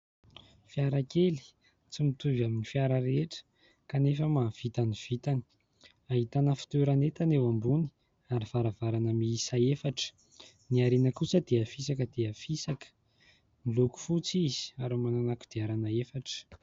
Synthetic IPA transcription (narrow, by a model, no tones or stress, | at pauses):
fiaɾakeli̥ | t͡simit̪uvaminifiaɾəɾeeʈ͡ʂə̥ | kanefəmav̥it̪aniv̥it̪ani̥ | aɦit̪anəfi̥t̪eɾanet̪anewambuni̥ | aɾiv̥aɾavaɾanəmiisaefaʈ͡ʂə̥ | niaɾenəkusəd̪eəfisakəd̪eafisakə̥ | miluku̥fut͡sizi̥aɾumananaku̥d̪̥eaɾanaefaʈ͡ʂə̥